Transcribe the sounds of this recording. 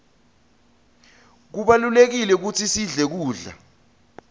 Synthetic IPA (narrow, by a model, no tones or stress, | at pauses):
k̬uɓalulek̬ilɛk̬ut͡sʰisiɮɛk̬uːɮa̰